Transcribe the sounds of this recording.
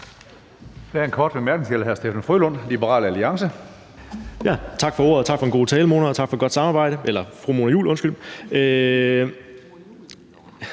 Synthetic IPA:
d̥eæɐenkʰɒːd̥ʋemæɐɡ̥nŋsʰelæɦæɐsd̥efæn̩fʁylɔ̽n̰libəʁɑ̰̈ːlæliɑ̈ŋsə | jæt͡sʰɑ̈ɡ̥fɒ̽o̝̰ɐ̰ð̩ˠt͡sʰɑ̈ɡ̥fɒenŋɡo̝ːt͡sʰɛːləmo̝nɐt͡sʰɑ̈ɡ̥fɒ̽ɡ̥ɒ̽d̥sɑ̈mɑ̈ːb̥ɑ̈ɪ̰ɾ̥əʔelɐfʁumoːnɐjṵːlɔ̽nsɡ̥ylø

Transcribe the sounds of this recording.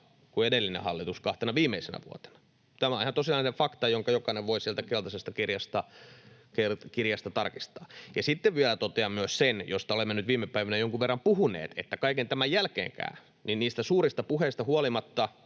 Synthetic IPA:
kuedelːinḛhɑlːit̪uskɑht̪enɑʋiːmeisenæ̰ʋṵo̰t̪e̥nɑ̥ | t̪æmæoihɑnt̪osinɑˑineɱfɑkt̪ɑjoŋkɑjokɑineʋʋoisiɛlt̪ækelt̪ɑsest̪ɑkirjɑst̪ɑkerkirjɑst̪ɑt̪ɑrkist̪ɑːjɑsit̪ːeʋʋielæt̪ot̪eɑmmyøssenjost̪ɑolemːenyt̪ʋiːmːepæiʋænæjoŋkuʋʋerːɑmpuhunḛːt̪ḛt̪ːækɑikent̪æmæjjælkḛːŋkæ̰ːy | ninniːst̪æsuːrist̪ɑpuheist̪ɑhuolimɑt̪ːɑ

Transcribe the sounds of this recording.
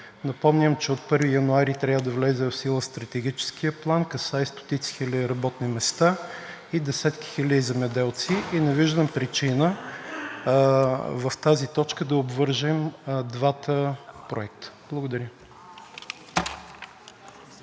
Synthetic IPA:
nɐpɔmnʲəmt͡ʃɛot̪̚pɤɾvijɐnuaɾit̪ɾʲavəd̪ɐvlɛzɛvfsilˠəst̪ɾɐt̪ɛɡ̟it͡ʃɛ̥skʰijəplˠankɐsaist̪o̥t̪it̪si̥xilʲəd̪iɾɐbɔt̪nimɛst̪a | id̪ɛsɛt̪ki̥xilʲəd̪izɛmɛd̪ɛlˠt̪siʔinɛviʒd̪əmpɾit͡ʃinə | vɐft̪azit̪ɔt͡ʃkəd̪ɐobvɤɾʒɛmd̪vat̪əpɾoɛk̚t̪ə̥b̥lˠəɡʊd̪ɐɾʲə

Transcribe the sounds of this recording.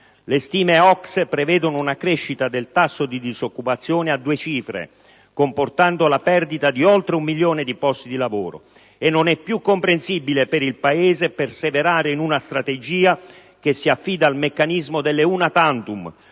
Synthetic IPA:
lest̪iːmeɔkspɾevɛːd̪onounakɾeʃːit̪ad̪elt̪asːod̪id̪izokːupat̪sːjoːnead̪ːuːet͡ʃiːfɾḛ | komport̪and̪olapɛrd̪it̪ad̪iɔlt̪ɾeumːiljoːned̪ipɔst̪id̪ilavoːɾo̰ | enːonɛpːjukːompɾensibilepeɾilpaeːzeperseveɾaːɾeinunast̪ɾat̪ed͡ʒiːa | k̟esːiafːiːd̪aːlmekːanizmod̪elːeunat̪ant̪um

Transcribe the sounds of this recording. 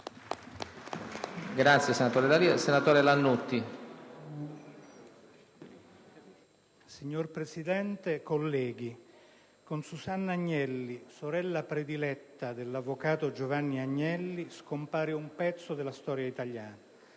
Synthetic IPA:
ɡɾat̪sjesenat̪oːɾelaisenat̪oːɾelanːut̪ːi | siɲːorpɾesid̪ɛnt̪ekolːɛːɡ̟i | konsusanːaɲːɛlːisoɾɛlːapɾed̪ilɛt̪ːad̪elːavːokaːt̪od͡ʒovanːiaɲːɛlːiskompaːɾiumpɛt̪sːod̪elast̪ɔːɾjait̪aʎjaːna

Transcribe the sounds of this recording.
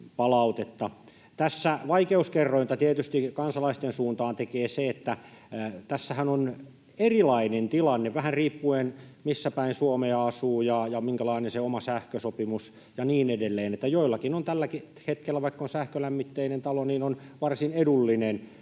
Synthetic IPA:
pɑlɑut̪et̪ːɑ | t̪æsːæʋɑikeuskerːoint̪ɑt̪iet̪yst̪ikɑnsɑlɑist̪ensuːnt̪ɑːnt̪ekeːseet̪ːæ | t̪æsːæhænon | erilɑinent̪ilɑnːeʋæhænriːpːuenmisːæpæinsuomeɑɑsuːjɑjɑmiŋkælɑinenseomɑsæhkøsopimus | jɑniːnedelːeːnet̪ːæjoilːɑkinont̪ælːæki | het̪kelːæʋɑikːonsæhkølæmːit̪ːeinent̪ɑloniːnonʋɑrsinedulːinen

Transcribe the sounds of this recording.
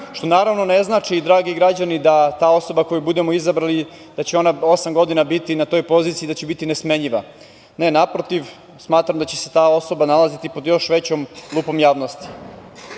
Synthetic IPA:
ʃt̪o̞naːɾaʋno̞neznaːt͡ʂiːd̪ɾaːɡiɡɾad͡ʑanid̪at̪aːo̞so̞bako̞jubud̪e̞mo̞izabɾali | d̪̥at͡ɕeo̞nao̞samɡo̞d̪inabit̪inat̪o̞jpo̞zit̪iːd̪at͡ɕebit̪inesmeɲiʋa̰ | ne̞napɾo̞t̪iʋ | smaːt̪ɾamd̪at͡ɕeset̪aːo̞so̞banalazit̪ipo̞d̪jo̞ʃʋet͡ɕomlˠuːpo̞mjaːʋno̞st̪i̥

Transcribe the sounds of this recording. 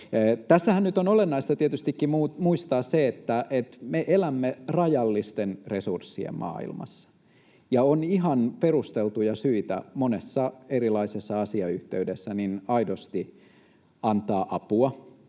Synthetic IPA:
t̪æsːæhænnyt̪onolenːɑist̪ɑt̪iet̪yst̪ikːimumuist̪ɑːsseet̪ːæʔet̪meʔelæmːerɑjɑlːist̪enresursːiḛmmʔɑ̰ːḭlmɑ̰sːɑ̥ | jɑoniɦɑnperust̪elt̪ujɑsyit̪æ̰monesːɑerilɑisesːɑɑsiɑyht̪eydesːæninɑidost̪i | ɑnt̪ɑːʔɑpuɑ

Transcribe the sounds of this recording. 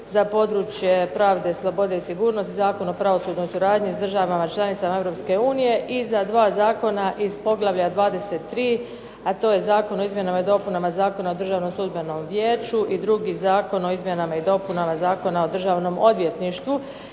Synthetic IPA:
zapo̞d̪ɾuːt͡ʃje̞pɾaːʋd̪e̞slˠo̞bo̞d̪e̞isiɡuːɾno̞st̪izaːko̞no̞pɾaʋo̞suːd̪no̞jsuɾaːd̪ɲisd̪r̩ʒaʋamat͡ʃlˠanit̪samaevɾo̞p̪ske̞uːnije̞ʔizad̪ʋaːzaːko̞naʔiz̥po̞ɡlˠaʋʎad̪ʋaːd̪e̞se̞t̪ːɾiː | at̪o̞ːje̞zaːko̞no̞izmje̞namaid̪o̞punamazaːko̞naod̪r̩ʒaːʋno̞msˠud̪beno̞mʋjeːt͡ʃuʔid̪ɾuɡizaːko̞no̞izmje̞namaid̪o̞punamazaːko̞nao̞d̪r̩ʒaːʋno̞mo̞d̪ʋje̞t̪niʃt̪ʋu

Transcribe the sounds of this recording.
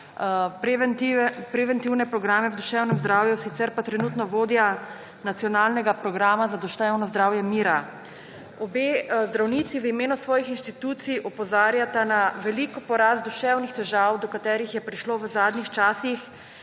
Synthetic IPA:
pɾɛʋɛnt̪iwnɛpɾɔɡɾaːmɛwd̪uʃɛwnɛmzd̪ɾaːwjusit̪sɛɾpat̪ɾɛnut̪nɔʋoːd̪ja | nat̪sijɔnalnɛɡapɾɔɡɾaːmazad̪uʃt̪ɛwnɔzd̪ɾaːwjɛmiːɾa | ɔbeːzd̪ɾawniːt̪siʋəimeːnusʋɔːjixinʃt̪it̪uːt̪sijʔɔpɔzaːɾjat̪anaʋɛlikɔpɔɾasd̪uʃɛwnixt̪ɛʒaːwd̪ɔkat̪ɛːɾixjɛpɾiʃloʋəzaːd̪nixt͡ʃaːsix

